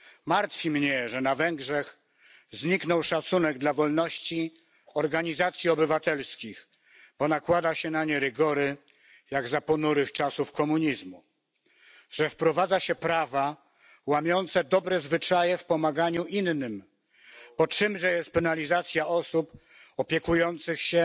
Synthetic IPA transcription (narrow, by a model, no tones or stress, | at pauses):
maɾt̪fʲimɲɛʐɛnavɛŋɡʐɛx | zɲiknɔwʂat̪sunɛɡd̪lavɔlnɔɕt͡ɕi | ɔɾɡaɲizat̪sʲjiɔbɘvat̪ɛlskʲix | b̥ɔnakwad̪aɕɛnaɲɛɾɘɡɔɾɘ | jaɡzapɔnuɾɘxt͡ʂasufkɔmuɲizmu | ʐɛfpɾɔvad̪zaɕɛpɾava | wamʲjɔnt̪sɛd̪ɔbɾɛzvɘt͡ʂajɛfpɔmaɡaɲuʔinːɘm | pɔtʂɘmʐɛjɛst̪̚pɛnalʲizat̪sʲjaʔɔsup | ɔpʲjɛkujɔnt̪sɘxɕɛ